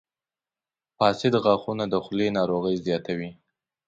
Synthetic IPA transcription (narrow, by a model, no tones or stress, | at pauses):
fɑsɪd̪ɣɑxunad̪əxlenɑɾoɣəjzjɑt̪awi